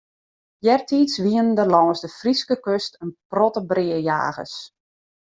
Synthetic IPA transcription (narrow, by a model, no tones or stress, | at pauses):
jɛrtʰitsʋiənəndərlɔːsdəfriskəkøstənprɔtəbrɪəja̰ːɣə̰s